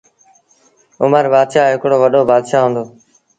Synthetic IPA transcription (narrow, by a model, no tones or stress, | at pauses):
ʊməɾbaːd̪ʃaːɦɪkɽoːʋəɗoːbaːd̪ʃaːɦʊ̃ːnd̪oː